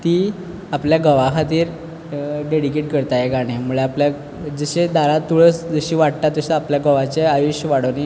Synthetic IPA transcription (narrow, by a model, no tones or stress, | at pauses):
t̪iː | apljaɡəʋakʰat̪iːɾ | ɖeɽikeʈ̚kəɾt̪ajeɡaɽ̃emuɭeaplja | d͡zəɕed̪ʱaɾat̪ːuɭət͡sd͡zəɕiːʋaɽt̪at̪ːəɕeapljaɡəʋat͡ɕeajuɕəʋaɽəne